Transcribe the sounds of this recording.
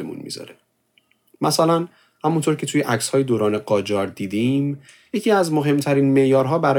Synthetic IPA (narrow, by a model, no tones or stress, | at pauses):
emṵnmḭzɒ̰ɾe | mæsælæn | hæmunt̪ʰoɾcʰe̞t̪ʰuːjeʔæcshɒːjed̪oːɾɒːneɡɒːd͡ʒɒːɾd̪iːd̪im | jecʰiæzmo̞ɦe̞mt̪ʰæɾiːnme̞ʔjɒːɾɦɒːbæɾɒː